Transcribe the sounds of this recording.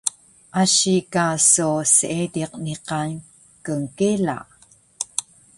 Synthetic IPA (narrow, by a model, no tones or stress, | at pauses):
ʔaɕikasusəʔediq̚niqan | kəŋkela̰ʔ